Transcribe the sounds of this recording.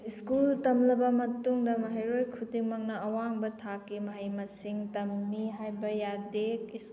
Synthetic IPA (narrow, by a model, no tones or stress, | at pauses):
iskultɐmlɐbɐmɐtuŋdɐmɐɦɐjɾojkʰutiŋmɐŋnɐɐwaŋbɐtʰakːimɐɦɐjmɐsiŋtɐmːiɦajbɐjadek̚is